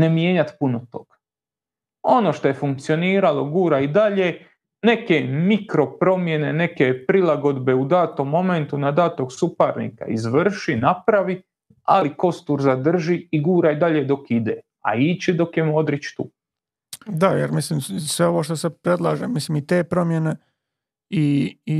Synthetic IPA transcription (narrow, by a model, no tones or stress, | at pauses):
ne̞mjeːɲat̪punot̪o̞̰ɡ̥ḁ | o̞no̞ʃt̪o̞je̞fuŋk̚t̪sio̞niːɾalo̞ɡuːɾaid̪aʎe | ne̞kemikɾo̞pɾo̞mje̞ne̞ne̞ke̞pɾilˠaɡo̞d̪be̞ud̪aːt̪omːo̞ment̪unad̪aːt̪oksupaɾnḭka̰ḭzʋr̩ʃinapɾaʋi | a̰liko̞st̪uːɾzad̪r̩ʒiiɡuːɾaid̪aʎed̪o̞kid̪e | a̰iːt͡ɕid̪o̞kjemo̞d̪ɾit͡ʃt̪uː | d̪ajeɾmisliːmsʋeo̞ʋoʃt̪osepɾe̞d̪lˠaːʒemislimit̪eːpɾo̞mjene | i